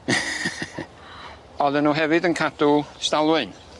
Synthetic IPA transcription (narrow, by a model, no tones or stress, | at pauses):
ɔðənːuːɦɛvɨdənkʰadustalˠwɨn